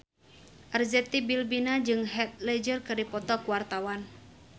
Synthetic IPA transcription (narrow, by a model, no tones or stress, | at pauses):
ʔərzɛt̪ibilbinad͡ʒɨŋɦɛt̪̚lɛd͡ʒərkɨrdipɔt̪ɔkuwart̪awan